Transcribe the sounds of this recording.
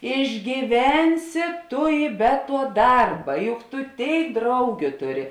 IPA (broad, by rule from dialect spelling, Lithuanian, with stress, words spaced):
ɪʒʲɡʲiːˈʋʲɛnʲsʲɪ ˈtʊ ɪ bʲɛ tuɔ ˈdɐrbɐ ˈjʊk tʊ ˈtʲeːɪk ˈdrɐʊɡʲʊ ˈtʊˌrʲɪ